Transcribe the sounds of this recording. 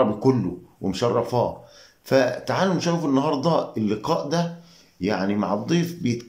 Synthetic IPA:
ɑbikolːʊwemʃɑrˤːɑfɑː | fæt̪aʕaːlʊmʃæwfinːɑɦɑɾˤd̪ˤɑelːɪqɑːʔd̪æ | jaʕnima̰ʕɑd̪ˤːiːfbejet̪

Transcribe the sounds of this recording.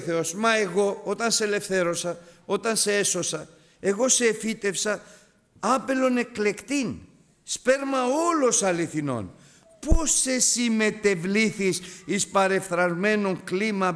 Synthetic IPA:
θeosmɐe̞ɣo̞ot̪ɐnsele̞fθe̞ɾo̞sɐo̞t̪ɐnseeso̞sɐ | e̞ɣo̞seːfit̪e̞fsɐ | ɐpe̞lo̞ne̞kle̞kt̪in | spe̞ɾmɐo̞lo̞sɐliθino̞̰n | pose̞sime̞t̪e̞vliθisispɐɾe̞fθɾɐzme̞no̞ŋklimɐ

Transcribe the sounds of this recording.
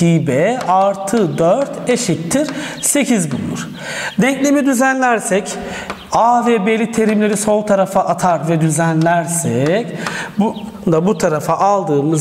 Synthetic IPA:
iːbɛaɾt̪ʰɯd̪øɾt̪eʃit̪ʰːiɾse̞cʰizbṵlˠṵɾ̥ | d̪ɛɲclʲe̞mid̪yzænlʲæɾsɛc | aːvɛbelʲit̪ʰe̞ɾimlʲe̞ɾiso̞lˠt̪ʰaɾafaʔat̪ʰaɾvɛd̪yzænlʲæɾsɛcbnd̪abut̪ʰaɾafaʔalˠd̪ɯːmɯz

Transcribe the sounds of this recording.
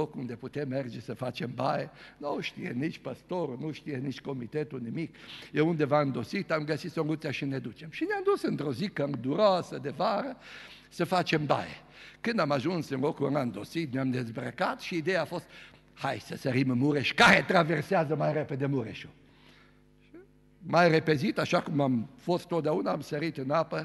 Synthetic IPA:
okund̪eput̪emːerd͡ʒesəfat͡ʃembajenoʃt̪ḭjḛnit͡ʃpəst̪oɾunuʃt̪ijenit͡ʃt̪̚ko̞mit̪et̪unimikjeund̪evaɨnd̪osit̪amɡəsit̪soŋɡut̪saʃined̪ut͡ʃemʃineamd̪usɨnt̪ɾozikəd̪uɾoasəd̪evaɾə | səfat͡ʃemba̰jḛ | kɨnd̪amaʒunsɨnokuənaɨnd̪osit̪̚neamd̪e̞zbɾəkat̪ʃiːd̪ejaːfo̞st̪ | hajsəsəɾimɨnmuɾeʃkaɾet̪ɾaverseazəmajɾepe̞d̪emuɾeʃo | majrepezit̪aʃakumamfo̞st̪ːot̪̚d̪eaunaːmsəɾit̪ɨnapə

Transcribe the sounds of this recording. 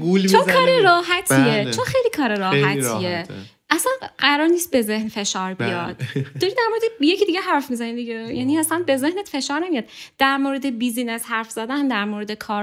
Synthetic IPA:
ɡult͡ʃʰokʰɒːɾeɾɒːɦæt̪ʰiet͡ʃʰoxejlikʰɒːɾeɾɒːɦæt̪ʰie | ʔæsænɢæɾɒːɾniːst̪̚be̞ze̞hnfe̞ʃɒːɾbijɒ̰d̪̥d̪ɒɾid̪æɾmoɾed̪ejecʰid̪iɡɟeɦæɾfmizæniːmd̪iɟejæːniæsænbe̞ze̞hnet̪fe̞ʃɒːɾnemijɒd̪̥d̪̥æɾmoɾe̞d̪ebiziːnæz̥hæɾfz̥æd̪ænd̪æɾmoɾe̞d̪ekʰɒːɾ

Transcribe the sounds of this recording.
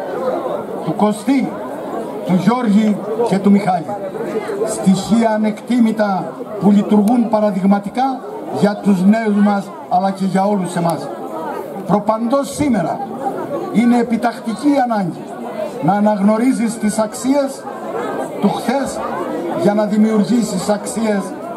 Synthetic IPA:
t̪uko̞st̪i | t̪uʝo̞ɾʝice̞t̪umixɐʎḭ | st̪içiɐːne̞kt̪imit̪ɐpuʎit̪uɾɣumpɐɾɐðiɣmɐt̪ikɐ | ʝɐt̪uzne̞uzmɐs | ɐlɐce̞ʝɐo̞luse̞mɐs | pɾo̞pɐnd̪o̞sːime̞ɾɐ̰ | ine̞ːpit̪ɐxt̪iciːɐnɐɲɟi | nɐːnɐɣno̞ɾizist̪isɐksie̞s | t̪uxθe̞sʝɐnɐðimiuɾʝisisɐksie̞s

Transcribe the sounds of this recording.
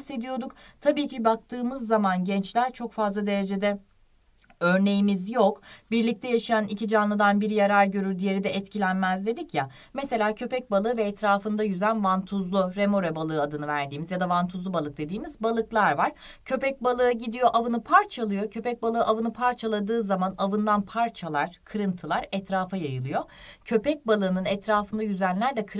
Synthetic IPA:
se̞d̪ijo̞d̪ukt̪ʰabiːcibak̚t̪ʰɯːmɯzːamanɟɛnt͡ʃlʲæɾt͡ʃʰo̞kfazlˠad̪e̞ɾe̞d͡ʒe̞d̪ɛ | ø̞ɾne̞jimizjokbiɾlʲic̚t̪ʰɛjaʃijanicʰid͡ʒanlˠɯd̪anbiɾijaɾaɾɟø̞ɾyɾd̪ije̞ɾid̪ɛʔɛt̪cʰilʲænmæzd̪e̞d̪icja | mese̞lʲaːcʰø̞pɛc̚balˠɯːvɛːt̪ʰɾaːfɯnd̪ajyzænvant̪ʰuzlˠuɾemo̞ɾɛbalˠɯːad̪ɯnɯvæɾd̪iːmizjad̪avant̪ʰuzlˠubalˠɯk̚d̪e̞d̪iːmizbalˠɯklˠaɾvaɾ̥ | cʰø̞pɛc̚balˠɯɯɟid̪ijo̞ʔavɯnɯpʰaɾt͡ʃʰalˠɯjo̞cʰø̞pɛc̚balˠɯːʔavɯnɯpʰaɾt͡ʃʰalˠad̪ɯːzamanavɯnd̪anpʰaɾt͡ʃʰalˠaɾ̥kʰɯɾɯnt̪ʰɯlˠaɾɛt̪ɾaːfajajɯlˠɯjo̞cʰø̞pɛc̚balˠɯːnɯnɛt̪ɾaːfɯnd̪ajyzænlʲæɾd̪ɛkʰɯ

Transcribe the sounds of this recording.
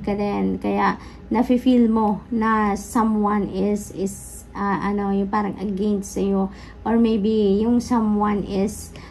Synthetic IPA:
kɐd̪ɛnkɐjaʔ | nɐfifilmonɐsɐ̃mwanɪsɪs | ʔaʔɐnojʊŋpaːɾɐŋʔɐ̰ɡɛnsɐjo | ʔoɹmejbijʊŋsamwanɪs

